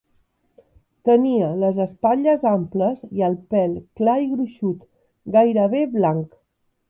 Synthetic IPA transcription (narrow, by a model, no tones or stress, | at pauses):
t̪əniələzəspaʎəzampləziəlˠpɛlˠklaiɣɾuʃut̪ | ɡajɾəβeβlaŋk